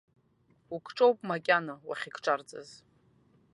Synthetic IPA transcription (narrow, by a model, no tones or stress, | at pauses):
ukʰʈ͡ʂʼowpʼmakʲʼanawa̰χʲikʰʈ͡ʂʼart͡sʼa̰z